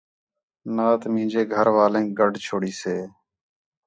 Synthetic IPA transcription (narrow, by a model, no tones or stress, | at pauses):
naːt̪mĩːd͡ʒeːɡʱəɾʋaːlẽːɡəɖʱt͡ʃʰoːɽiːseː